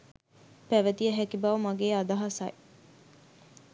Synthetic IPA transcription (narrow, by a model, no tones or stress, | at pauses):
pæʋæt̪ijəɦækibɐʋɐmaɡeːad̪ɐɦasaj